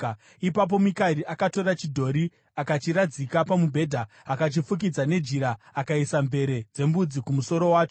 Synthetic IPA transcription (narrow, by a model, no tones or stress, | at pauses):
ipap̬o̞mikaɾiʔakato̞ɾat͡ʃidʱo̞ɾi | akat͡ʃiɾad͡zikapamubʱe̞dʱaː | kat͡ʃifuk̬id͡zane̞d͡ʒiɾaːkaisambe̞ɾe̞d͡ze̞mbud͡zikumuso̞ɾo̞waːt͡ʃo